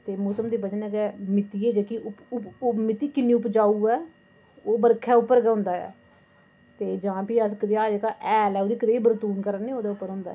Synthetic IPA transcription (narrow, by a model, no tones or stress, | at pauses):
t̪eːmʊsəmd̪iːbəd͡ʒənɛːɡɛmɪt̪iːɛːd͡ʒeːkiʊʊmɪt̪iːkɪnĩːʊpd͡ʒaːuːɛː | oːbəɾkʰːɛːʊpːəɾɡɛːɦʊ̃nd̪aːɛ̰ː | t̪eːd͡ʒãːpiːəskəd̪eːaːd͡ʒeːkaːʔɛːlɛːoːd̪iːkəd̪eːiːbəɾt̪uːnkəɾəneːoːd̪aʊpːəɾɦʊ̃ːnd̪a̰ɛ̰ː